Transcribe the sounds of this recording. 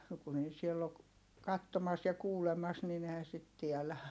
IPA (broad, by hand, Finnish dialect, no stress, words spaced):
no kun ei sielː ok kɑtːomɑs jɑ kuːlemɑs nin ehæn sit tiɛlæ